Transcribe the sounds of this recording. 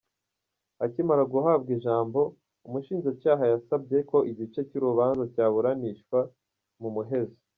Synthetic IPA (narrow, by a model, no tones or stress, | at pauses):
acimaɾaɡuɦaːbɡiʒaːmbo̞ | umuʃiːnzacaːɦajasab̚ɟe̞ko̞ʔiɟit͡ʃe̞cuɾuβaːnzacaːβuɾaniʃkwa | mumuɦe̞ze̥